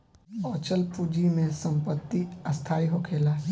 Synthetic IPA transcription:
ɔːt͡ʃəlpud͡ʒimẽsə̃mpət̪ːiɐst̪ʰaːiɦokʰeːlaː

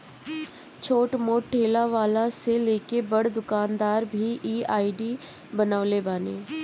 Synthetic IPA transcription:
t͡ʃʰoːʈmoːʈʈʰeːlaʋaːlãseleːkebəɽd̪ʊkaːnd̪aːɾbʱiʔiːaːiɖiː | bənaːlebaːnḛː

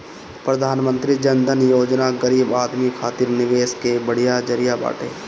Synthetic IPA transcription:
pɾəd̪ʱaːnmə̃nt̪ɾid͡ʒənd̪ʱənjoːd͡ʒnaɡəɾiːbaːd̪mikʰaːt̪iːɾnɪʋeːskebəɽ̤ijad͡ʒəɾijaba̰ːʈʰḛː

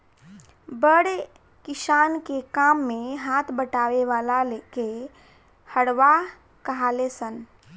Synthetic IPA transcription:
bəɽe | kɪʃaːnkekaːmːẽɦaːt̪ʰbəʈaːweʋaːlaleːke | həɽʋa | kɐɦaːlesən

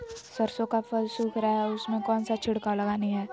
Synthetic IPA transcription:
sɐɾsõkafɐlsuːkʰɾaɦɛʊsmẽkɔːnsat͡ʃʰɪɽkalɐɡanĩɦɛː

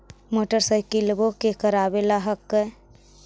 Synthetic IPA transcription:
moːʈəɾsəjkɪlbokekəɾaːbelaɦəkːə

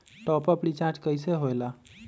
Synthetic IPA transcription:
ʈɔpəpɽit͡ʃaɾʈkəjseɦojla

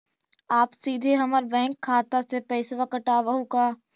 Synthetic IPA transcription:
aːpsiːd̪ʱeɦɐməɾbɛ̃ːŋkʰːaːt̪əɾsepɛɪsʋakəʈaːʋɐɦukaː

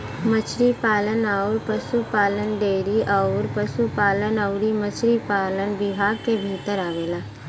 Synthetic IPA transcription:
mət͡ʃʰɾipaːlənaːʊɾpəsupaːlənɖeːɾiʔaʊɾpəsupaːlənəʊɾimət͡ʃʰɾipaːlənbɪbʱaːɡkebʱiːt̪əɾaːʋeːlaː

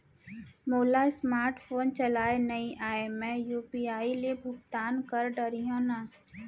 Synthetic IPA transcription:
moːlasmaːɾʈpʰoːnt͡ʃɐlaːenɐĩʔaːemɛ̃ːjuːpiaːilebʱʊk̚t̪aːnkəɾɖəɾijõːna

